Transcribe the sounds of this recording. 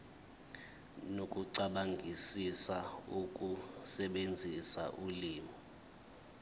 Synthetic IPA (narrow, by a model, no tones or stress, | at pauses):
nokʼuǀaɓaŋʱisisaukʼusɛɓend͡zʱisa̰ʔuliːmi